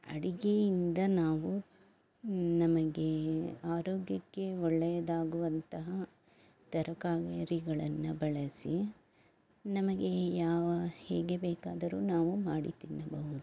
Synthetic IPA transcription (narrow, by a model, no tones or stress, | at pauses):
ɐ̰ɽiɡe̞jind̪ɐnaːʋu | nɐmɐɡe̞aːɾoːɡjɐkːe̞ɔɭːɛjɐd̪aːɡuʋɐnt̪ɐɦɐ | t̪ɐɾɐkaːɡɐɾiɡɐɭɐnːubɐɭɐsḭ | nɐmɐɡe̞jaːʋɐhɛ̰ːɡe̞bɛːkaːd̪ɐɾṵːnaːʋumaːɽit̪inːɐbɐɦud̪u